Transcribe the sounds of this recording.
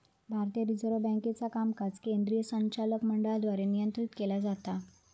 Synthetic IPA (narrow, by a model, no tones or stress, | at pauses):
bʱaɾt̪ijəɾid͡zəɾobɛ̃ŋket͡sakamkat͡skẽnd̪ɾijəsə̃ɲt͡ɕaləkməɳɖəɭad̪ʋaɾenijənt̪ɾit̪kelad͡zat̪a